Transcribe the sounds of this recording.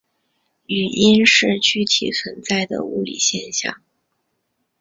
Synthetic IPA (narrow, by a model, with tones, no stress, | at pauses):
y˨˩i˥nʂɻ̩˥˩t͡ɕʰy˥t̪ʰḭ˨˩t͡sʰwə˧˥nt͡sa˥˩ɪd̪ə̰˩u˥˩lḭ˨˩ɕjɛ˥˧nɕjɑ̰˥˩ŋ